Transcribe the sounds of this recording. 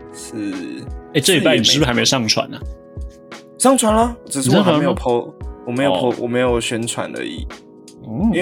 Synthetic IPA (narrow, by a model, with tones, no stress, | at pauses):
ʂ̩˥˩e˥˩ɪʈ͡ʂɤ˥˨i˨˥pa˥ɪni˨˥˩a˧˥ɪme˧o˨˩sɑ˥˩ŋt͡ʃʰwa̰˨˦nɐ˨ | sɑ˥˩ŋt͡sʰwa˧˦nlɐ˧˨ʈ͡ʂɻ̩̬˨˩ɻ̩˥˩˨ɔ˨˥xm˨˧e˧˥jo˨˩pʰo˧˦wɔ˨˩me˧˥ɪjpʰo˧˥wʔɔ̰˨˩me˧˥ɪjo˨˩ʊɕɥɛ˧˦nt͡sʰwa̰˨˩ndə̰˧ḭ˨˩